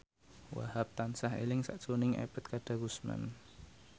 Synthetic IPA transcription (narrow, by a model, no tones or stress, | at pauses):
wa̰hap̚t̪ansahḛlɪŋsa̰ʔt͡ʃunɪŋḛpət̪̚kad̥a̤ɡusma̰n